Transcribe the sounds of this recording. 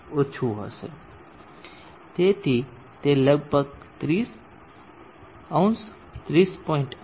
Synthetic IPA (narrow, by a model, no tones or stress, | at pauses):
ot͡ʃʰuɦə̰sḛ | t̪et̪ʰi | t̪eləɡ̚bʱəɡ̚t̪ɾiːs | aw̃ns | t̪ɾiːspɔːɪɳʈ